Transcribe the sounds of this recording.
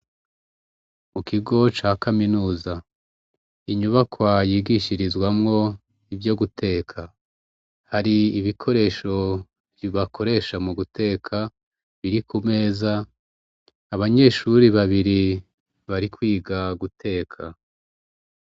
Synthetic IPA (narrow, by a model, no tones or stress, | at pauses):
mukiɡo̞t͡ʃaːkaminuːza | iɲuβakwajiːɡiʃiɾizɡwamŋo̞ | ivjo̞ɡutʰe̞ːkʰa | haɾiːβikʰo̞ɾe̞ːʃo̞ | vjiβakʰo̞ɾe̞ːʃamuɡute̞ːkʰa | βiɾikume̞ːza | βaɲe̞ʃuɾiβaβiɾi | βaɾikwiːɡaɡutʰe̞ːkʰa